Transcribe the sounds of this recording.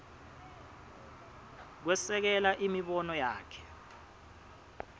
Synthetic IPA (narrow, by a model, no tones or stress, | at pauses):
k̬wɛsɛk̬ɛlaʔimiɓɔnɔjaːkʰɛ̥